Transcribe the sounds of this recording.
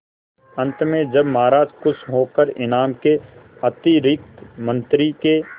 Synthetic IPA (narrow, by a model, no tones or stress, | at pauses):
ɐ̃nt̪mẽd͡ʒɐbmaːɾaːd͡ʒkʊsʰɦoːkəɾɪnaːmkeɐt̪iɾɪk̚t̪mə̃nt̪ɾike